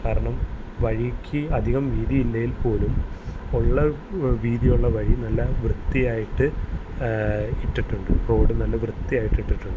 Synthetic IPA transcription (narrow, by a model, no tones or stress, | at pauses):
kaːɾɐɳɐm | ʋɐɻikʲːɨɐd̪ʱiɣɐmʋiːðiilːɐjilpo̞ːlumoɭːɐʋiːðijuɭːɐʋɐɻinɐlːɐʋrɨt̪ːijaːjiʈːɨ | iʈːiʈːuɳɖɨpoɽɨnɐlːɐʋrɨt̪ːijaːjiʈːiʈːiʈːuɳɖɨ